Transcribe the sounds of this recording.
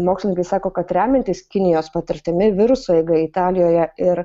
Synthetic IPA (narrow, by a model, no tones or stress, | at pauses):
moːkslʲɪnʲɪŋkɐɪsɑːkoːkɐt̪ɾʲæːmʲɛnt̪ʲiːskʲɪnʲɪjoːspɐt̪ʲɪɾʲt̪ʲɪmʲɪʋʲɪɾʊsoːɛɡɐɪt̪ɑːlʲɪjoːjɛɪɾ